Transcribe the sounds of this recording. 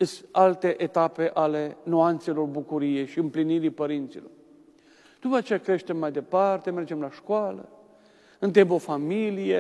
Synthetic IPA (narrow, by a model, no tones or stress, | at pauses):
ɨsalt̪e̞ʔet̪ape̞ʔale̞nuant̪se̞lo̞rbukuɾije̞ʃiɨmpliniɾipəɾint̪silo̞r | d̪upəat͡ʃejakɾe̞ʃt̪e̞mːajd̪e̞part̪e̞me̞rd͡ʒe̞mlaʃkoalə̰ | ɨnt̪embo̞familije